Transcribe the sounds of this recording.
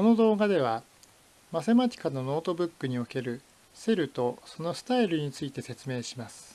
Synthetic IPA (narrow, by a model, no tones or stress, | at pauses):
ko̞no̞d̪o̞ːɡad̪e̞β̞a | mase̞mat͡ɕʲi̥kano̞no̞ːt̪o̞bɯ̟kːɯɲ̟io̞ke̞ɾɯ̟ | se̞ɾɯ̟t̪o̞so̞no̞sɨ̥t̪aiɾɯ̟ɲ̟it͡sɨit̪e̞se̞t͡sɨme̞ːɕimasɨ̥